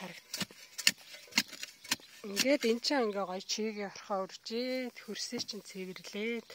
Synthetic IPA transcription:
χæɾə̆k̪ | iŋɡeːt̪entt͡ɕʰɪ̆ŋæŋɡeːɢɔjt͡ɕʰiːɣiːŋɔrχœːurʲt͡ɕeːt̪xɵrset͡ɕʰɪ̆nt͡sʰeɣ̆rɮeːt̪

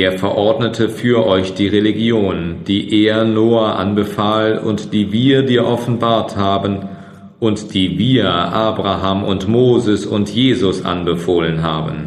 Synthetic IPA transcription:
ʔeːɐfɛɐʔɔɐdnətʰəfyːɐʔɔʏçd̥iːʁeliɡjoːnd̥iːʔeːɐnoːaːʔa̰nbəfaːlʊ̰ntd̥iːviːɐdiːɐʔɔfn̩baːɐthaːbən | ʔʊntd̥iːviːɐʔaːbʁaɦaːmʊntmoːzəsʊ̰ntjeːzʊsʔa̰nbəfoːlənɦaːbən̩

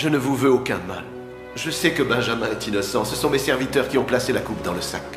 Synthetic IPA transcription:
ʒənəvuvøokɛ̃ma̰l | ʒəsɛkəbɛ̃ʒamɛ̃ɛt̪inɔsɑ̃səsɔ̃mesɛʁvit̪œʁkʲiɔ̃plaselakupd̪ɑ̃ləsa̰k

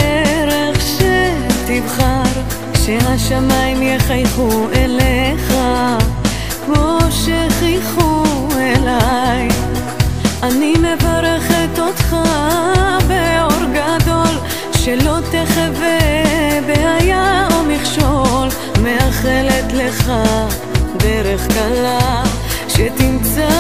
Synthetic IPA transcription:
eɾeχʃe | t̪ivχaɾ | ʃeɦaʃamajimjeχajχuʔeleχa | kmoʃeχijχu | elaj | ʔanime̞vaɾeχet̪o̞t̪χa | beoɾɡad̪o̞l | ʃelo̞t̪eχevevehajaomiχʃol | meaχelet̪leχa | d̪eɾeχkala | ʃet̪imɡza

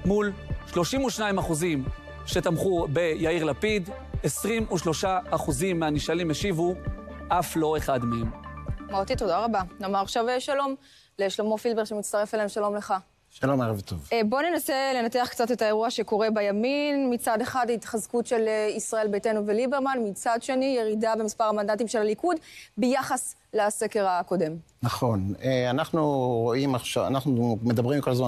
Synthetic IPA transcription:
mulʃlo̞ʃimuʃnaimaχuzim | ʃe̞t̪amχube̞jaiʁlapid̪ | esʁimuʃlo̞ʃaːχuzimːeaniʃalimeʃivuʔaflo̞e̞χadmeemmaʁot̪ito̞daʁabanomaʁaχʃaveʃalo̞m | leʃlomo̞filbe̞ʁʃemitt͡st̪aʁe̞falaemʃalo̞mle̞χa | ʃalomaʁavt̪ovbo̞nenase̞le̞nate̞aχkt͡sate̞tae̞ʁuaʃe̞ko̞ʁe̞bajaminmit͡sade̞χadaitχazkutʃe̞lisʁae̞lbejtenuvelibe̞ʁmanmit͡sadʃe̞nije̞ʁidabemispaʁamandant̬imʃelalikudbejaχas | lase̞ke̞ʁako̞de̞m | naχo̞neanaχnuʁoimaχʃava̰naχnumed̪ɐbʁimiko̞lazma

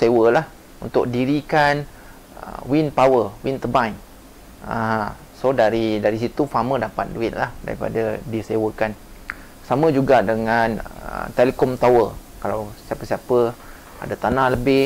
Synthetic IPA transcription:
sewəlah | unt̪ʊk̚diɾikan | ə̰winpawəwint̪əbajŋ | a̰ɦã | sodaɾidaɾis̬it̪ufamədapat̪̚duɪt̪̚lahda̰ɾḭpa̰dadisewəkan | samə̃d͡ʒuɡadəŋanə̰t̪elekɔmt̪awə | kalawsiapəsiapə | a̰dat̪anahləbɪ

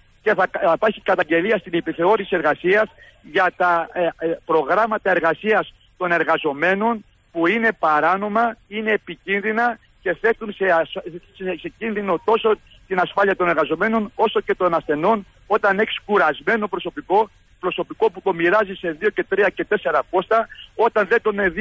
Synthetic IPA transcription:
ce̞θɐpɐçikɐt̪ɐɲɟe̞liɐst̪inipiθeo̞ɾisieɾɣɐsiɐs | ʝɐt̪ɐ | pɾo̞ɣɾɐmɐt̪ɐe̞ɾɣɐsiɐs | t̪o̞ne̞ɾɣɐzo̞me̞no̞n | puine̞pɐɾɐno̞mɐine̞ːpicinðinɐ | ce̞θe̞t̪unsesekse̞cinðino̞t̪o̞so̞ | t̪inɐsfɐliɐt̪o̞neɾɣɐzo̞me̞no̞no̞so̞ce̞t̪o̞nɐsθe̞no̞n | o̞t̪ɐneçi̥skuɾɐzme̞no̞pɾo̞so̞piko̞ | pɾo̞so̞piko̞put̪omiɾɐzise̞ðio̞ce̞t̪ɾiɐce̞t̪e̞se̞ɾɐpo̞st̪ɐo̞t̪ɐnðe̞t̪oneð

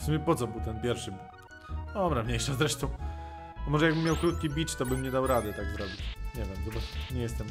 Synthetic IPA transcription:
fsumjɛpɔt̪sɔbɘwt̪ɛnpʲjɛɾfʂɘbu | ɔbɾavɲejʂazɾɛʂt̪ɔ̃w̃ | mɔʐɛjaɡbɘmʲːjawkɾut̪̚kʲibʲit͡ʂt̪ɔbɘmɲɛd̪awɾad̪ɛt̪aɡzɾɔbʲit͡ɕɲɛvʲjɛmzɔbaɲɛjɛst̪ɛm

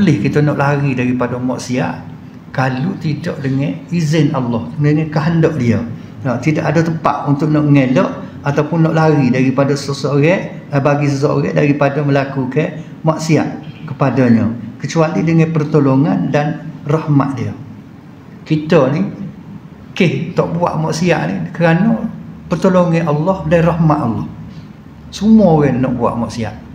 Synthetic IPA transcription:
lɪhkit̪ənɔʔlaɣidaɾipadəmaʔsia̰ʔ | kalut̪idɔ̰ʔdəŋɛizɪnalːɔhdəŋakaɦəndɔʔdiə | at̪idaʔadət̪əpa̰ʔunt̪ʊʔ̚nɔʔŋelɔʔ | at̪awpʊnːɔʔlaɣidaɾipadəssəsəoɣɛʔ | baɡis̬əs̬oo̰ɾɛ̰daɾipadəməlakukɛ | maʔsia̰ʔkəpadəɲəkət͡ʃualidəŋanpərt̪oloŋandanrɔhma̰ʔdiə | kit̪əni | kɪht̪ɔʔbua̰ʔmɔʔsia̰ʔnikəɾanɔpərt̪oloŋiʔɑlːɔhdarɔhmaʔ̪ɑlːɔ̰h | sumuɔoɣɛnnɔ̰ʔbua̰ʔmaʔsia̰ʔ

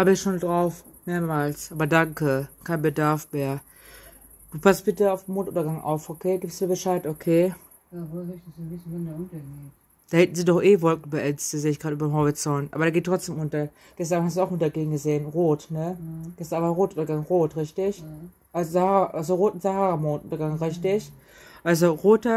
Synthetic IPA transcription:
haːbəɪçʃoːndʁaʊf | meːɐmaːlsʔaːbɐdaŋkəkʰaɪnbədaɐfmeːɐ | d̥uːpʰast̚b̥ɪtəaʊfd̥emoːntʔʊ̰ntɐɡaŋʔa̰ʊfʔokʰeːɡɪːpstdiːɐbəʃaɪtʔokʰeː | bɪtɐɡeː | d̥aːhɛtn̩ziːdɔχʔeːvɔlk̚ŋ̩bəʔɛnt͡stizeːɪçɡ̥ʁaːtʔyːbɐnɦɔʁit͡sɔntʔa̰ːbɐɾaːɡeːtʁ̥ɔt͡sd̥eːmʔʊntɐ | ɡ̥ɛstanaːmnhas̬duaʊxʔʊntɐɡeːn̩ɡəzeːənʁoːtnəɡ̥ɛstɐnaːmʁoːntʔʊntɐɡaŋʁoːtʁɪçtɪç | ʔazahaːʁaʔalzoʁoːtnzahaːʁɐmoːntʔʊntɐɡaŋʁɪçtɪç | ʔalzoʁoːtɐ

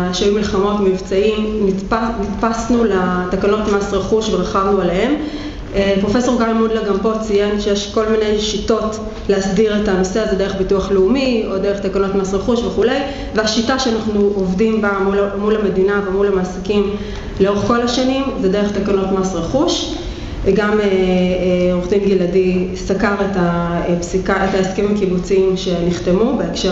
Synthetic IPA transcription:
ʃajumilχamo̞tmivt͡saimnitpanitpasnulatakano̞tmasʁeχuʃbeʁaχavnualehe̞m | pʁofeso̞ʁɡalmudlaɡampo̞t͡sijenʃejeʃko̞lminejʃito̞t | leasdiʁetanoseazede̞eχbituaχleumio̞de̞eχt̪akanotmasʁeχuʃveχule̞j | veaʃitaʃeanaχnuʔovdimbamulmulame̞dinavemulamaːsikim | leo̞ʁeχko̞laʃanimzedeʁeχtakano̞tmasʁeχuʃ | eɡame | ʁoχdimɡiladisakaʁetapsikaetaeskemimkibut͡siimʃe̞niχte̞mubeekʃe

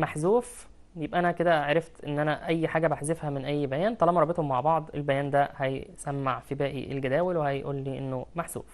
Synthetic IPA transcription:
maħzuːf | jebʔæʔænæked̪æʕɾeft̪ʔenːʔænæʔæjːħaːɡæbaħzefhæmenʔæjːbæjæːnt̪ˤɑlɑːmɑɾˤɑbet̪homːaʕbɑʕd̪ˤelbæjæːnd̪æhæjsæmːaʕfibæːʔḭʔḛlɡæd̪æːwelwehæjʔuːlːiːʔenːomaħz̥ṵːf

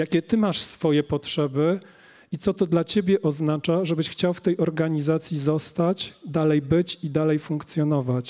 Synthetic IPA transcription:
jakʲɛt̪ɘmaʂsfɔjɛpɔtʂɛbɘ | it̪sɔt̪ɔd̪lat͡ɕebʲjɛʔɔznat͡ʂaʐɛbɘɕxt͡ɕawft̪ɛjɔɾɡaɲizat̪sʲjizɔst̪at͡ɕd̪alɛjbɘt͡ɕid̪alɛjfuŋkt̪sʲjɔnɔvat͡ɕ

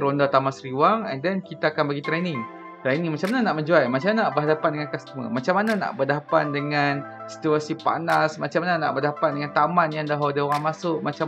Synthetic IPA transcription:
ɾondat̪amasɾiwaŋɛ̰ndɛnkit̪aːkanbaɡit̪ɾɛnĩŋ | t̪ɾɛnĩŋmat͡ʃamananaʔməɲd͡ʒuajmat͡ʃamanabərɦadapat̪̚dəŋankast̪əmə̰mat͡ʃamːanana̰ʔbərdapat̪̚dəŋan | si̥t̪uasipa̰nasmat͡ʃamanana̰ʔbərdapat̪̚dəŋant̪amãnjandaɦawdəoɣaŋmasʊʔmat͡ʃa

